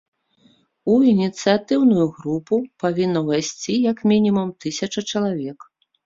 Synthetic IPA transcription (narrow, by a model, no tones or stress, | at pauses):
uinʲit̪sɨjat̪ɨwnujuɣɾupupavʲinːɐvajsʲt͡sʲijakmʲinʲimumt̪ɨsʲɐt͡ʂɐt͡ʂɐlˠavʲɛk